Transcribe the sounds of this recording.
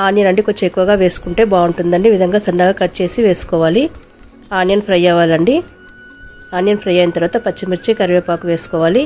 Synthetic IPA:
aːnjɐnɐɳɖikoɲt͡ʃːeekːuʋɐɡaːʋe̞ːsu̥kuɳʈe̞ːbaːuɳʈund̪ɐɳɖiʋid̪ʱɐŋɡaːsɐnːaːɡaːkɐʈt͡ʃe̞ːsiʋe̞ːsu̥kɔːʋaːli | aːnjɐnpʰɾɐjaːʋaːlɐɳɖi | aːnjɐnpʰɾɐjaːjnɐt̪ɐɾʋaːt̪ɐpɐt͡ʃːɐmiɾt͡ʃikɐɾʋeːpaːkuʋe̞ːsu̥kɔːʋaːli

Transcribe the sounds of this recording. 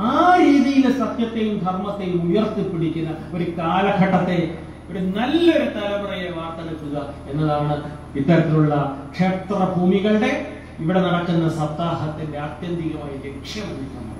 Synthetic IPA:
aːɾiːðijilsɐt̪jɐt̪ːejumd̪ʱɐrmɐt̪ːe̞jumujɐrt̪ːipːiɽikʲːunːɐo̞ɾukaːlɐkʰɐʈːɐt̪ːe̞ | ɽenɐlːɐoɾut̪ɐlɐbɐrɐjɐʋaːrt̪ɐnɐk̪ːuɣɐe̞nːɐðaːɳɨ | it̪ːɐɾɐt̪ːiluɭːɐkʂe̞ːpt̪rɐbʱuːmiɣɐɭɖe̞ | iʋiɽe̞nɐɽɐkːunːɐsɐd̪aːɦɐt̪ːinde̞ɐt̪jɐnd̪ʱiɣɐmaːjɐle̞kʂjɐmuɽikʲːunːɐ̰

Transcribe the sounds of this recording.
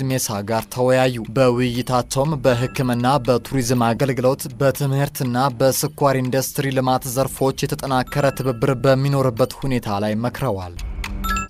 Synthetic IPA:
mesaɡaɾt̪ʰəwɔjajːubəwʊjːɪt̪ʰat͡ʃːɛwmbəɦɨkːɨmɨnːabət̪ʰuɾizmaɡəlɡɨlo̞t̪bət̪ʰɨmhɨɾt̪ɨnːabəsɨkʷːaɾind̪ust̪ɾilɨmat̪zəɾfo̞t͡ʃːjɛt̪ʰət̪ʼənakʰːəɾət̪ʰɨβɨbːɨɾbəmːino̞ɾɨbːət̪hune̞t̪ʰalajməkɾəwa̰l

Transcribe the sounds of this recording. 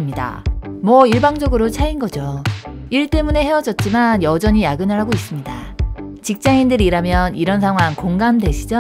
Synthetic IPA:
mɲida̰mwʌiɭbaŋd͡ʑʌɡɯɾot͡ɕʰainɡʌd͡ʑoiɭt͈e̞mune̞he̞wʌd͡ʑʌt̚t͡ɕ͈imanjʌd͡ʑʌɲijaɡɯnɯɾɦaɡois͈ɯmɲida̰ | t͡ɕik̚t͡ɕ͈aindɯɾiɾamjʌniɾʌnsʰaŋɦwaŋkoŋɡamde̞ɕʰid͡ʑʌ

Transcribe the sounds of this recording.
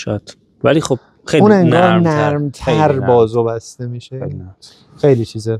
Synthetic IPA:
ʃt̪ | vælixob̥̚ | xeune̞ŋɡɒːɾnæɾmt̪ʰæɾbɒːzobæst̪emiːʃe | xe̞jliːt͡ʃʰiːze

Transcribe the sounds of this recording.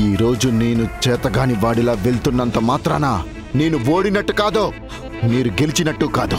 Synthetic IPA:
iːɾo̞ːd͡ʒuneːnut͡ʃɛːt̪ɐɡaːniʋaːɽilaːʋe̞ɭt̪unːɐnt̪ɐmaːt̪ɾaːnaː | neːnuo̞ːɽinɐʈːukaːd̪oː | miːɾuɡe̞lit͡ʃinɐʈːukaːd̪u

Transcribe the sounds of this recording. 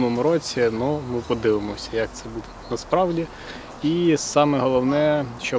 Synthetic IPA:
nɔmʊɾɔt͡sʲinumɪpɔd̪ɪʋɪmɔsʲɐjɐk̚t̪sɛbud̪ɛnɐspɾɑwdʲi | isɑmɛɦɔlˠɔwnɛʃt͡ʃɔ

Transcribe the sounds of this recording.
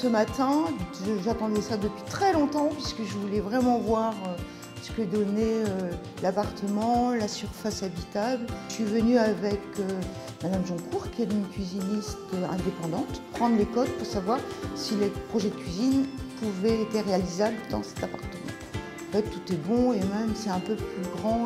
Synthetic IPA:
səmat̪ɛ̃ʒəʒat̪ɑ̃d̪ɛsad̪əpɥit̪χɛlɔ̃t̪ɑ̃pɥisəkəʒəvulɛvʁɛmɑ̃vwaʁø | sə̥kəd̪ɔneø | lapaʁt̪ʰəmɑ̃lasyʁfasabit̪ablsɥivənyavɛkø | mad̪amʒɑ̃kuʁkʲiɛt̪ynkʲɥizinist̪øɛ̰̃d̪epɑ̃d̪ɑ̃t̪pχɑ̃d̪ʁlekɔt̪̚puʁsavwaʁsilepχɔʒɛd̪əkʲɥizinpuvɛet̪eʁealizabləd̪ɑ̰̃sɛ̥t̪apaʁt̪əmɑ̰̃ | ɑ̃fɛt̪ːut̪ɛbɔ̃emɛmsɛɛ̃pøplyɡʁɑ̃

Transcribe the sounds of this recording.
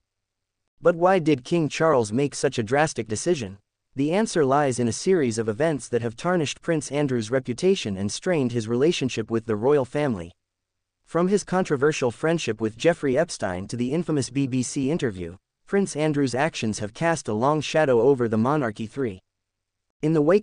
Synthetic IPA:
b̥ʌt̚waɪdɨd̚kʰɪ̃ŋt͡ʃʰɑɹlˠzmeɪksʌt͡ʃɨdɹæstɨk̚d̥ɨsɪʒɨ̃n | ðiæ̃nsə˞laɪzɨ̃nɨsɪɹizʌvɨvɛ̃ntsðɨt̚hɨv̥tʰɑɹnɨʃt̚pʰɹ̥ɪ̃nsæ̃ndɹʉzɹɛpjɨtʰeɪʃɨ̃nɨ̰̃nstɹ̥ẽɪ̃nd̚ɨzɹileɪʃɨ̃nʃɪpwɨðɨɹɔɪl̩ˠfæ̃mlḭ | fɹʌ̃mɨz̥kʰɑ̃ntɹ̥ɨvɜ˞ʃl̩ˠfɹɛ̃nd̥ʃɨpwɨðd͡ʒɛfɹiɛbstã̰ɪ̃ntʰɨðiɪ̃ɱfəmɨsb̥ibisiɪ̃ntə˞vjʉ̰ | pʰɹ̥ɪ̃nsæ̃ndɹʉzækʃɨ̃nz̥ɨv̥kʰæstəlɔ̃ŋʃæɾoʊoʊvə˞ðəmɑnɑɹkiθɹi | ɨ̃nðəweɪ

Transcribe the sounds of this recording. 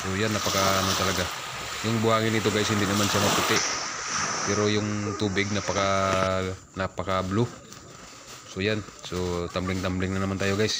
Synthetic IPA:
sojanːɐpɐkaanot̪ɐlɐɡa | jʊŋbʊhaːŋɪnit̪oɡajɪshɪnd̪ɪnɐmanʃamɐput̪ɪʔ | pɛɾo̞jʊŋt̪uːbɪɡ̚nɐpɐka | nɐpɐkablu | sojansot̪amblɪŋt̪amblɪŋnɐnɐmant̪aːjo̞ɡajs

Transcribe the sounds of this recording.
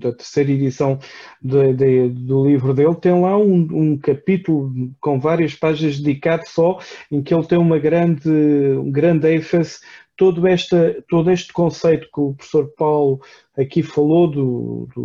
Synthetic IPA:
d̪ɐt̪ɨɾsejɾɐiðisɐ̃w̃d̪ɐd̪ɐd̪ulˠivɾuðelˠt̪ɐ̃j̃lˠaũũkɐpit̪ulˠukõvaɾiɐʃpaʒinɐʒd̪ðikaðusɔẽkelˠt̪ɐ̃j̃umɐɣɾɐ̃nd̪ũɡɾɐ̃nd̪ɛ̃fɐzt̪oðuɛʃt̪ɐt̪oðueʃt̪kõsɐjt̪u̥kupɾu̥fsoɾpawlˠu | ɐkifɐlˠoðud̪ṵ

